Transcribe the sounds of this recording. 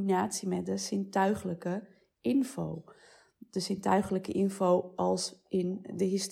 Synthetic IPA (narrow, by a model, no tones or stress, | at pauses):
inaːtsimɛdəsɪntœɥχələkə | ɪnvo̰w | d̥əsɪntœɥχələkəʔɪnvowɑlˠsɪndəɦɪst